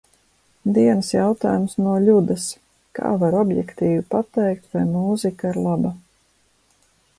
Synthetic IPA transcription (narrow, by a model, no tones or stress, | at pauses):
d̪iɛnɨsjawt̪a̰ːjumsnuɔʎʲud̪ɐs | ka̰ːvaɾɔbjɛ̰kt̪iːvipat̪ɛjk̚t̪vajmuːzikaiɾlˠaba